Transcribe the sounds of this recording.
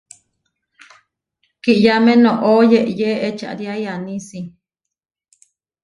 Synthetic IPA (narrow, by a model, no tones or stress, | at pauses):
kiʔjamẽnõʔojeʔjeʔet͡ʃa̰ʔɾjajanĩsi